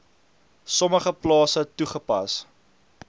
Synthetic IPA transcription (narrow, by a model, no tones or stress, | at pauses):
sɔməχəplɑːsətuχəpɐ̰s